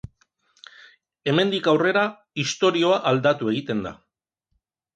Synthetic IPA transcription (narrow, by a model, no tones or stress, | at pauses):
e̞me̞nd̪ikawre̞ɾa | ist̪o̞ɾio̞aʔald̪at̪ue̞ɣit̪e̞nd̪a̰